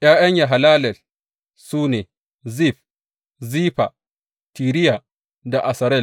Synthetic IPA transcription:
jaː˦jɐ˦ɲja˨ɦa˨laː˦lɛ˨l | suː˦neː˨ | zi˦˨ɸ | ziː˦ɸa˨ | tiː˨ɾɪ˦ja˨ | da˨ʔa˨sɐ˨ɾɛ˦˨

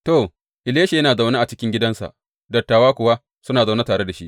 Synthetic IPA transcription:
to˨ | ʔɪ˨leː˦ʃe˨jɐ˦naː˨za˨wnaː˦ʔa˨t͡ʃɪ˦kʲɪ˦ŋɡʲɪ˦dɐ˦nsa̰˨ʔ | dɐ˨tːaː˨waː˦kʷʊ˨wa˦ | sʊ˦naː˨za˨wna˦taː˨ɽe˦da˨ʃi˦ʔ

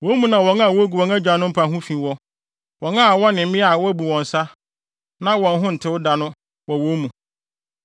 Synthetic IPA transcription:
wõ˨˦mũ˨nã˨wɔ̃˨ŋã˦˨wɔ˦ɡu˨wɔ̃˨ŋa˦d͡ʑᶣa˨˦nʊ̃˦m̩˦pʰa˨ɦũ˦fĩ˨wɔ˦ | wɔ̃˨ŋã˦˨wɔ˦nɪ̃˨m̩˦ɪ̃˦a˨wɔ˦bu˨wɔ̃˨n˨sa˦ | nã˦wɔ̃˨n˦ɦʊ̃˦n̩˨tʰɪ˦wʊ˦da˨nʊ̃˦ | wɔ˨wõ˦mũ˨

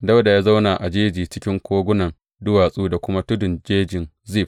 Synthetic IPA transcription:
da˦wda˨jaː˦za˦wna˨ʔa˨d͡ʒeː˦d͡ʒiː˨t͡ʃɪ˦kʲɪ˦ŋkʷoː˦ɡʷʊ˦nɐ˨n | dʊ˦waː˨sʼuː˦da˨kʷʊ˦ma˦tʊ˦dʊ˨nd͡ʒeː˦d͡ʒɪ˨n | zi˦˨ɸ̚

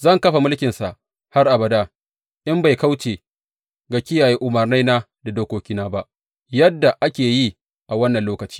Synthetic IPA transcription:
zɐ˦˨ŋkɐ˦ɸa˨mʊ˦lkʲɪ˨nsa˨ʔ | ha˦rʔa˨bɐ˨daː˦ | ʔɪ˦mba˨jka˦wt͡ʃeː˨ | ɡa˨kʲɪ˦jaː˨jeː˦ʔʊ˨mɐ˨rna˦jnaː˦ | da˨doː˦kʷoː˦kʲiː˦naː˦ba˦ʔ | jɐ˦dːa˨ʔa˦kʲeː˨ji˦ | ʔa˨wɐ˦nːɐ˨nloː˦kɐ˨t͡ʃi̥ː˦

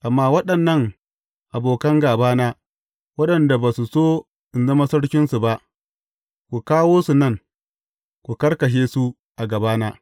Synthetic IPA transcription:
ʔa˨mːaː˦wɐ˦ɗɐ˨nːɐ˦˨ŋ | ʔa˨boː˨kɐ˦ŋɡaː˨baː˦naː˦ | wɐ˦ɗɐ˨nda˨baː˨su˨soː˦ | ʔɪ˨nzɐ˦ma˦sɐ˦ɽkʲɪ˦nsu˨ba˦ʔ | kʷu˨kaː˦woː˦su˨nɐ˦˨ŋ | kʷu˨kɐ˦ɽkɐ˨ʃ̬eː˦su˦ | ʔa˨ɡɐ˨baː˦naː˦

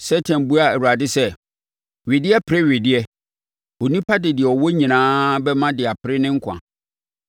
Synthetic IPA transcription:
sɛ˦tʰã˨n˨bu˦a˦˨æ˨wu˨a˨dɪ˦sɛ˦ | ɥɪ˨dɪ˦ɛ˦pʰɪ˨ɾɪ˦ɥɪ˨dɪ˦ɛ˦ | o˨nĩ˦pʰa˦dɪ˨dɪ˨ɛ˨ɔ˨wɔ˦ɲĩ˨nãː˦bɛ˦mã˦dɪ˨a˨pʰɪ˦ɾɪ˦nɪ̃˦ŋ̩˦kʷʰã̰˨

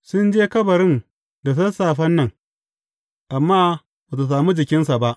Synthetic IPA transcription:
sʊ˦nd͡ʒeː˦kɐ˦bɐ˨ɽɪ˦n | da˨s̬ɐ˦saː˨ɸɐ˦nːɐ˨ŋ | ʔa˨mːaː˦ | bɐ˨t̬a˨s̬aː˨mu˦d͡ʒɪ˨kʲɪ˦nsa˨ba˦ʔ

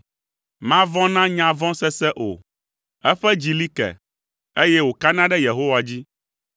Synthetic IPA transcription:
mã˦vɔ̃˦nã˦ɲã˨vɔ̃˦sɛ˦sɛ˦ʔo̰˨ | ɛ˦ɸɛ˦d͡ʑi˨li˦kɛ̰˨ | e˦jɛ˦wo˨ka˦nã˦ɖɛ˦je˨ɦo˦wa˨d͡ʑi˦

